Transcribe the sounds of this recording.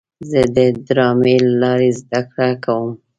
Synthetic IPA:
zəd̪əd̪ɾɑmelalɑɾezd̪akɽakawəm

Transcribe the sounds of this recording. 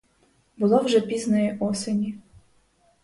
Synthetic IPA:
bʊlˠɔwʒɛpʲiznɛjiʔɔsenʲi

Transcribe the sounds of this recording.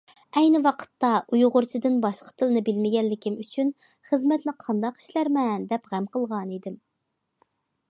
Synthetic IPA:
ɛjnɪwɑqʰə̥t̪ːɑʔujʁʊɾt͡ʃʰid̪ɨnbɑʃqʰə̥t̪ʰɨlˠɨnɨbɪlmɪɡʲɛlːɪkʲimyt͡ʃʰyn | χəzmɛt̪nɪqʰɑnd̪ɑqi̥ʃlæɾmɛnd̪ɛpʁæmqəlˠʁɑnid̪ɪm

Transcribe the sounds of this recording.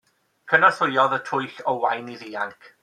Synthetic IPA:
kʰənaθʊjɔðətʰʊjɬɔwajniðiːaŋkʰ

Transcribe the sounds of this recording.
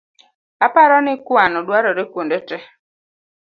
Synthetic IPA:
apaɾɔnɪkwanɔdwaɾɔɾekwondetɛ

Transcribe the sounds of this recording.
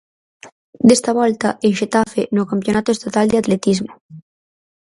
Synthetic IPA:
d̪est̪aβɔlt̪aʔenʃet̪afenokampjonat̪oest̪at̪ald̪eat̪let̪izmo

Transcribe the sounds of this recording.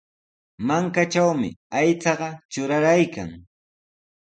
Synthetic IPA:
maŋkat͡ʃawmɪ̰ajt͡sɑɢɑt͡ʃʊɾaɾajka̰ŋ

